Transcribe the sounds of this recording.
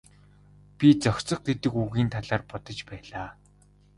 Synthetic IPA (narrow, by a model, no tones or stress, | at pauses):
pʲit͡sɔxʲt͡sɞ̆χ̚ɡet̪ɘ̆kuɣiːnt̪ʰaɮaːrpɔt̪ɞ̆t͡ɕpæːɮaː